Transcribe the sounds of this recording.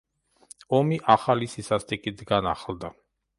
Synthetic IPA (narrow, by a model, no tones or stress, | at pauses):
ɔmiʔaχalisisast̪ʼikʼid̪ɡana̰χld̪a